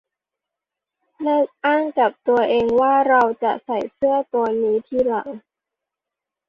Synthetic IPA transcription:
lɤ˥˩k̚ʔaː˥˩ŋka˨˩p̚t̪u˧ɐʔeː˧ŋwaː˥˩ɾa˧wt͡ɕa̰˨˩ʔsa˨˩jsɯ˥˩ət̪u˧ɐniː˦˥t̪ʰiː˥˩˨la̰˨˩˦ŋ

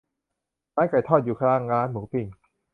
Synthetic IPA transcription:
ɾaː˦˥nka˨˩jt̪ʰɔː˥˩t̪̚juː˨˩kʰlaː˦˥˩ŋɾaː˦˥nmuː˩˦pi˨˩ŋ

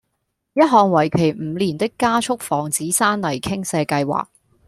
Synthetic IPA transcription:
jɐ˥t̚ɦɔː˨ŋwɐ˨˩jkʰe˨˩jm̩ː˨˧liː˨˩nt̪ɪ˥kːaː˥t͡ʃʰʊ˥k̚fɔː˨˩ŋt͡siː˨˥saː˥nlɐ˨˩jkʰɪ˥ŋsɛː˧kɐ˧jwa̰ː˨k̚

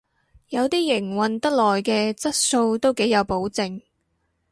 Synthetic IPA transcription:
jɐ˨˧wt̪iː˥jɪ˨˩ŋwɐ˨nt̪ɐ˥k̚lɔː˨˩jkɛː˧t͡sɐ˥t̚so˧wt̪o˥wke˨˥jjɐ˨˧wpo˨˥wt͡sɪ˨ŋ

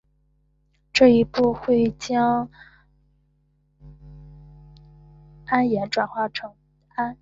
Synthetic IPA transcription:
ʈ͡ʂɤ˥˩i˧˥pu˥˧xwe˥˩ɪt͡ɕjɑ˥ŋ | a˥njɛ˧˥nʈ͡ʂwa˨˩nxwa˥˩ʈ͡ʂʰɤ˧˥ŋ | a˥n

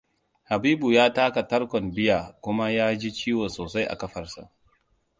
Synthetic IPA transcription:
ha˨biː˦bu˨jaː˦taː˦ka˨tɐ˦rkʷɔ˨mbɪ˦jaː˨kʷʊ˦ma˦jaː˦d͡ʒi˦t͡ʃiː˦wɔ˨nsoː˨sa˦jʔa̰˨kɐ˦ɸɐ˨rsa̰˨ʔ

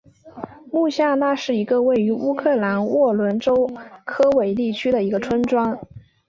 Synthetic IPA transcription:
mu˥˧ɕja˥˧na˥˧ʂɻ̩˥˩i˧˥ɡə˧we˥˩ɪy˧˥u˥kʰɤ˥˩la˧˥nwʔɔ˥˩lwə˧˥nʈ͡ʂo˥ʊkʰɤ˥we˧˩ɪt̪i˥˩t͡ɕʰy˥d̪ə˨i˧˥ɡə˧ʈ͡ʂʰwə˥nʈ͡ʂwɑ˥ŋ

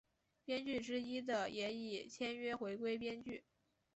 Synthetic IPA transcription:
pjɛ˥nt͡ɕy˥˩ʈ͡ʂɻ̩˥i˥d̪ə˨jɛ˧˥i˨˩t͡ɕʰjɛ˥nɥɛ˥xwe˧˥ɪkwe˥ɪpjɛ˥nt͡ɕy˥˩

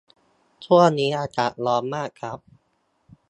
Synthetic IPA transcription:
t͡ɕ̪ʰu˥˩əniː˦˥ʔaː˧t͡ɕa˨˩t̚lɔː˧˥nmaː˥˩kʰːɾa˦˥p̚

